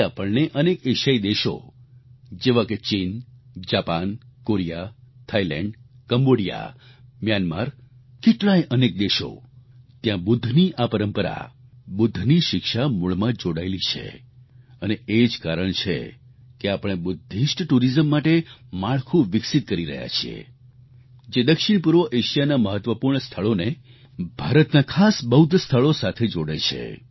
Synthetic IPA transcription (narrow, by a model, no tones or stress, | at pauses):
apəɳneʔənekeʃaid̪eʃo̰ | d͡ʒeʋãket͡ʃind͡ʒapankoɾijat̪ʰailɛ̰̃ɳɖ | kəmboɽija̰mjanma̰ɾ | keʈlãjʔənek̚d̪eʃo̰ | t̪jãbʊd̪ʱːniʔapəɾəmpəɾa̰ | bʊd̪ʱːniʃɪkʃamuɭmãd͡ʒoɽaelit͡ʃʰḛ | əneed͡ʒkaɾəɳt͡ʃʰḛ | keapəɽ̃ebʊd̪ʱːiʃʈʈuɾizəmːaʈemaɭkʰũʋɪksit̪̚kəɾiɾə̰ɦja̰t͡ʃʰiḛ | d͡ʒed̪əkʃɪɳpuɾʋəʔeʃijanaməɦət̪ʋəpuɾɳəst̪ʰəɭone | bʱaɾət̪nakʰasbəɦud̪ʱst̪ʰəɭosat̪ʰed͡ʒoɽet͡ʃʰḛ